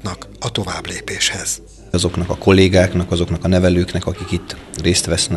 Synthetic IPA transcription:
nɒkɒt̪o̞vaːbleːpeːʃhɛz̥ | ɒzo̞knɒkɒko̞lːeːɡaːknɒkɒzo̞knɒkɒnɛvɛløːknɛkɒkikit̪ːreːst̪ʋɛsnɛ

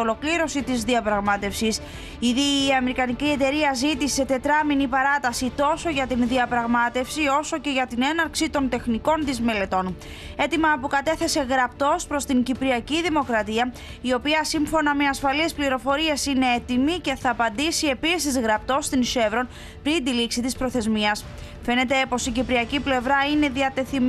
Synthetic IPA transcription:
olo̞kliɾo̞sit̪izðiɐpɾɐɣmɐt̪e̞fsis | iðiːɐme̞ɾikɐnicie̞t̪e̞ɾiɐzit̪ise̞t̪e̞t̪ɾɐminipɐɾɐt̪ɐsit̪o̞so̞ʝɐt̪inðiɐpɾɐɣmɐt̪e̞fsio̞so̞ce̞ʝɐt̪ine̞nɐɾksit̪o̞nt̪e̞xniko̞nt̪izme̞le̞t̪o̞n | e̞t̪imɐpukɐt̪e̞θe̞se̞ɣɾɐpt̪o̞spɾo̞st̪iɲɟipɾiɐciðimo̞kɾɐt̪iɐ | io̞piɐsiɱfo̞nɐme̞ɐsfɐlispliɾo̞fo̞ɾiesine̞e̞t̪imice̞θɐːpɐnd̪isie̞pisizɣɾɐp̚t̪o̞st̪inʃe̞vɾo̞n | pɾind̪iliksit̪ispɾo̞θe̞zmiɐs | fe̞ne̞t̪e̞po̞sicipɾiɐciple̞vɾɐine̞ðiɐt̪e̞θim

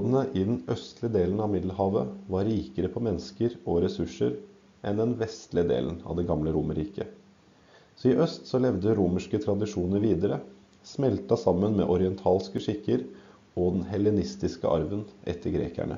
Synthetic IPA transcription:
d̪n̩əʔɪd̪ɛnʔœst̪lɪəd̪eːln̩ɑʋmɪd̪l̩hɑːʋəʋɑɾːiːkəɾəpʰɔmɛnskəɾɔɾɛsʉʂːəɾ | ʔɛnd̪ɛnʋɛst̪lɪəd̪ḛːln̩ɑ̰ʋd̪ɛɡɑmləɾuːməɾiːkə | sɔɪʔœst̪sɔlɛʋd̪əɾuːməʂkət̪ʰɾɑd̪ɪʂuːnəɾʋiːd̪əɾə | smɛlt̪ɑsɑmːənmɛ̰ʔɔɾɪɛnt̪ʰɑːlskəʂɪkːəɾ | ɔd̪ɛnɦɛlːɛnɪst̪ɪskə̰ʔɑ̰ɾʋənʔɛ̰t̪ʰːəɾɡɾḛːkæ̰ɳə̰

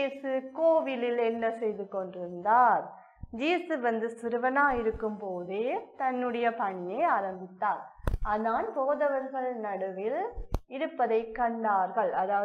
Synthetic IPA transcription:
iːsɯkoːʋɪlɪlɛnːɐsɛjðɯkɔɳɖɪɾɯnd̪aːɾ | d͡ʒiːsɯʋɐnd̪ɯsɪɾɯʋɐnaːɪɾɯkːɯmpoːðɯt̪ɐnːɯɽɐjɐpɐɳːeaːɾɐmbɪt̪ːaːɾaːnaːnpoːðɐʋɐɾɣɐɭnɐɽɯʋɪlɪɾɯpːɐðɐɪkːɐɳɖaːɾɣɐɭɐðaː

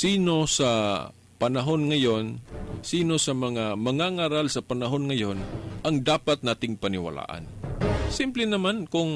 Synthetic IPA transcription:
siːno̞sɐ | pɐnɐɦo̞nŋɐjo̞nsiːno̞sɐmɐŋamɐŋaŋaːɾalsɐpɐnɐɦo̞nŋɐjo̞nʔɐŋd̪aːpat̪̚naːt̪ɪŋpɐnɪwɐ̰la̰ːʔa̰nsɪmplɛnɐmankʊŋ

